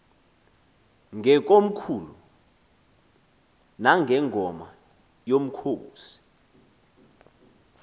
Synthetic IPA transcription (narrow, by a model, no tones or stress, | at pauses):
ŋʱɛk̬ʼom̩kʰuːlu | naŋʱɛŋʱɔma | jom̩kʰoːsi̥